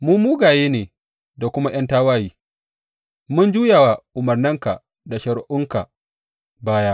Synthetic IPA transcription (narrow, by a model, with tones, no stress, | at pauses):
muː˦muː˦ɡaː˨jeː˦neː˨ | da˨kʷʊ˦ma˦j̰ɐ˦ntaː˦waː˦jiː˦ | mʊ˦nd͡ʒuː˦jaː˨wa˨ʔʊ˨mɐ˨rnɪ˦ŋka̰˨ | da˨ʃɐ˨ɽʔʊ˦ŋka˨ | baː˦ja˦ʔ